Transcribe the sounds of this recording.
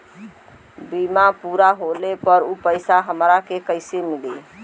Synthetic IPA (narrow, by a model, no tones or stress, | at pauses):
bimapuɾaɦolepəɾupəɪsaɦəmɾakekəɪsemili